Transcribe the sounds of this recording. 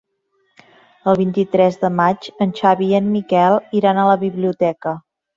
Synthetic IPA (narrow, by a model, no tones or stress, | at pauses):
əlˠβ̞int̪it̪ɾɛzðəmad͡ʒənʲʃaβiənmikɛlˠiɾanaləβiβliut̪ɛkə